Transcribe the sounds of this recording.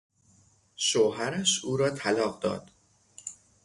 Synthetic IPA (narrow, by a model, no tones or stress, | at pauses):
ʃoːɦæɾæʃuːɾɒːt̪ʰælɒːɢd̪ɒ̰ːd̪̥